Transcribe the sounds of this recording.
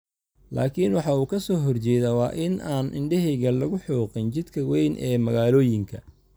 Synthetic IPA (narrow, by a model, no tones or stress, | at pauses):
la̰ːkʰinwɑħɑuːkʰɐsɔːɦɔrt͡ʃɛːðɐwɑ̰ːʔɪnaːnʔɪ̰ɳɖɛɦɪɣɐlɐɣʊħuːqɪnt͡ʃɪd̪kʰɐwɛjnʔɛ̰ːmɐɣaːlɔːjɪŋkʰɐ